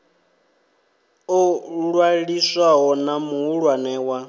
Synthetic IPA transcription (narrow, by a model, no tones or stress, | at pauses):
ɔɺwaɺiswaɦɔnamuɦuɺwanɛːwa